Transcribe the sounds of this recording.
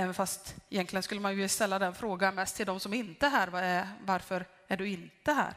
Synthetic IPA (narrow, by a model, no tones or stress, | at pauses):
ɛːvənfast̪ɪjɛnk̪ʰlɪɡənskɵlːəmanjɵst̪ɛlːad̪ɛnfɾoːɡanmɛst̪ʰːɪld̪ɔmsɔmɛɾɪnt̪əɦæːɾvɑvaɾfœɾ | æɖɵɪnt̪əɦæ̰ːɾ